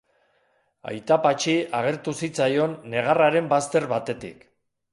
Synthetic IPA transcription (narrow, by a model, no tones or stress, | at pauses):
a̰jt̪apat͡ʃiaɣ̞e̞ɾt̪usit͡sajo̞nːe̞ɣ̞araɾe̞mbast̪e̞ɾβat̪e̞t̪ḭk